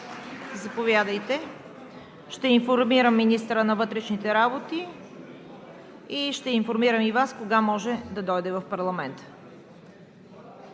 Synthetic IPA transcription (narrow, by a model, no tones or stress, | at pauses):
zɐpovʲjad̪əjt̪ɛ | ʃt̪ɛinfoɾmiɾəmːinist̪ɾənɐvɤt̪ɾɛʃnit̪ɛɾabot̪i | iʃt̪ɛinfoɾmiɾəmivaskoɡamɔʒɛd̪ɐd̪ɔjd̪ɛvɐfpɐɾlˠɐmɛnt̪ə̥